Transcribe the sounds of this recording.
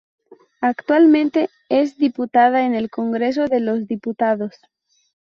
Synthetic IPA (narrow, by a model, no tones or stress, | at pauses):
akt̪walmẽnt̪e | ezðiput̪aðaene̞lko̞ŋɡɾe̞s̬o̞ðe̞lo̞zðiput̪aðo̞s